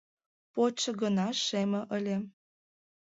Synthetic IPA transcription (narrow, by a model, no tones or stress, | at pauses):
pot͡ɕɤ̆ɣənɑʃemə̆ʔəlʲe